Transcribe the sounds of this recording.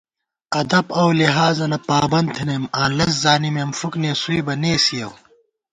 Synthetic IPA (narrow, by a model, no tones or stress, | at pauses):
ɐd̪ɐbɐwliɦaːzɐnɐpaːbɐnt̪ʰinemãːlɐs̬zaːnimemfukneːsuibɐneːsijɐw